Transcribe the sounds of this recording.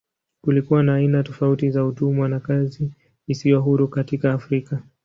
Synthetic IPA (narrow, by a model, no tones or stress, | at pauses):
kulikuwanaːinatɔfautizautumwanakaziː | sijɔɦuɾukatikaːfɾika